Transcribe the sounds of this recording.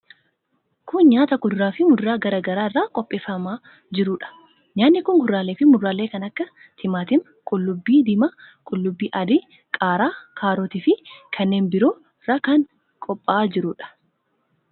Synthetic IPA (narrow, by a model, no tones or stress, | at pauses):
kʊnɲaːt̪ɐɡʊd̪ʊɾaːfɪmʊd̪ɾaːɡɐɾaːɡɐɾaːɪrːaːkʼɔpʼːeːfɐmaː | d͡ʒɪɾuːᶑɐ̥ | ɲaːnːɪkʊŋɡʊrːaːleːfɪmʊdaːle̞ːkɐnɐkːɐ | t̪ʰɪmaːt̪ɪm | kʼʊlːʊbːiːd̪ɪmɐkʼʊlːʊbːiːʔɐd̪ɪ | kʼaːɾaːkʰaːɾoːt̪ɪfɪkʰɐnːeːnbɪɾoː | ɪɾɐkɐŋ | kʼɔpʼːaːd͡ʒɪɾʊːᶑɐ̥